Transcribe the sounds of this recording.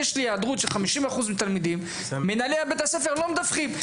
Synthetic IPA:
eʃliaːd̪ʁut̪ʃeχamiʃimaχuzmit̪almid̪imː | enaleabet̪hasefeʁlomed̪afχim

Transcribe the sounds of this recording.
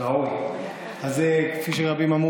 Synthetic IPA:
aoj | azekfiʃ̬eʁabimamu

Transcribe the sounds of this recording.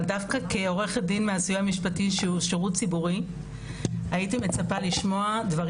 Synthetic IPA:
ldafkake̞o̞ʁe̞χet̚dinmeazujeamiʃpatiʃeuʃeʁutt͡sibuʁi | aitime̞t͡sapaliʃmo̞advɐʁ

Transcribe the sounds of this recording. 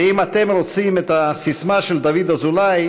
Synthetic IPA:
imat̪e̞mɾo̞t͡simet̪asismaʃeld̪avid̪azulaj

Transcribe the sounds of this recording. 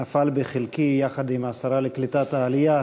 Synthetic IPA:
afalbeχelkijaχad̪imasaɾaleklit̪at̪aːlija

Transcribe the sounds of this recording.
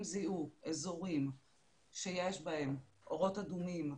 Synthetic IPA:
mziuezo̞ʁim | ʃejeʃbahe̞m | ʔo̞ʁo̞tadumim

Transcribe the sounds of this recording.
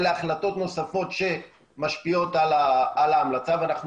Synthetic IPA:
leaχlato̞t̪no̞safo̞tʃe̞ | maʃpio̞talaalaːmlat͡saveanaχn

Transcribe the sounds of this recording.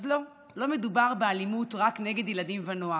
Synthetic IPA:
zlo̞ | lo̞me̞dubaʁbealimutʁakne̞ɡed̪jeladimvanoa

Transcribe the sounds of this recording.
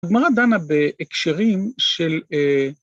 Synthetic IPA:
ɡmaʁad̪anabeʔekʃeʁimʃele

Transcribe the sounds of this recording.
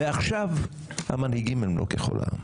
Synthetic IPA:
eaχʃav | ha̰manhiɡimelmlokeχo̰lʔa̰

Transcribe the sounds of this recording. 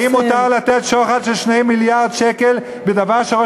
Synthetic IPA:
imut̪aʁlat̪et̪ʃoχalʃelʃnejmiljaʁd̪ʃeke̞l | bed̪avaʁʃeʁo

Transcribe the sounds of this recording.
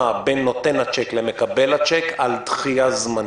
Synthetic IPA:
abenːo̞t̪enhat͡ʃeklemekabelhat͡ʃekalt̪χijazma

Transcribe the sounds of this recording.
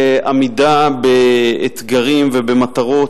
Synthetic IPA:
ʔamidabeːt̪ɡaʁimvebemat̪aʁo̞

